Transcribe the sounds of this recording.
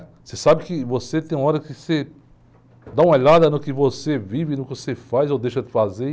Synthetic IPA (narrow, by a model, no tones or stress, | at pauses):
sesabɪkɪvoset̪ẽj̃ũmaɔɾɐkɪse | d̪aũmɐelad̪ɐnʊkɪvosevivɪnʊkɪosefajzowd̪ejʃɐd̪ɪfaze